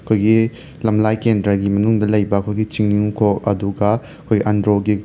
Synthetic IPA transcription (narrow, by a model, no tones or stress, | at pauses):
ɐkʰojɡi | lɐmlajkendɾɐɡimɐnuŋdɐlɐjbɐːkʰojɡit͡ʃiŋniŋkʰok̚ɐduɡɐ | ɐkʰojɡiʔɐndɾoɡi